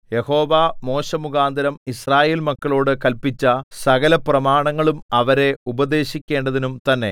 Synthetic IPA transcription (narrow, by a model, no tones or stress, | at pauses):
je̞ho̞ːʋamo̞ːɕɐmuɣaːnd̪ʱɐɾɐmisraːje̞ːlmɐkːɐɭo̞ːɽɨkɐlpit͡ɕːɐsɐɣɐlɐprɐmaːɳɐŋːɐɭumɐʋɐɾe̞ubɐd̪e̞ːɕikʲːe̞ːɳɖɐðinumt̪ɐnːe̞̰